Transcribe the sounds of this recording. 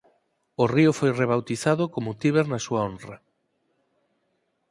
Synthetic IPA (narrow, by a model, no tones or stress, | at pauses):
oriʊfojreβ̞awt̪iθaðʊkomʊt̪iβeɾnasuaonrɐ